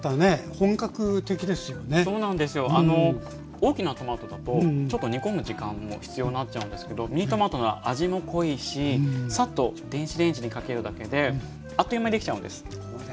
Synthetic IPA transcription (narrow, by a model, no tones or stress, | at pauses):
t̪ane̞hõ̞ŋkakɯ̟t̪e̞kʲid̪e̞sɨjo̞ne̞so̞ːnãnd̪e̞sɨjo̞ʔano̞ | o̞ːkʲinat̪o̞maːt̪o̞d̪at̪o̞t͡ɕo̞t̪ːo̞ɲ̟iko̞mɯ̟ʑikãmːo̞̰çi̥t͡sɨjo̞ːninatt͡ɕ̚t͡ɕːaɯ̟nd̪e̞sɨ̥ke̞d̪o̞mʲiɲit̪ːo̞maːt̪o̞noβa̰ʔaʑimo̞kʰo̞iːɕisat̪ːo̞d̪̥ẽ̞ɰ̃ɕid̪ẽ̞ɲɕiɲ̟ikake̞ɾɯ̟d̪ake̞d̪e̞ | at̪ːo̞imaid̪eki̥t͡ɕaɯ̟nd̪e̞sɨ̥